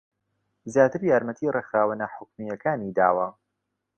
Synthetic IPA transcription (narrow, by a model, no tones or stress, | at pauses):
zjaːt̪ɨɾjaːɾmɐt̪ʰiːrexaːwənɐħʊkmijɐkaːniːd̪aːwɐ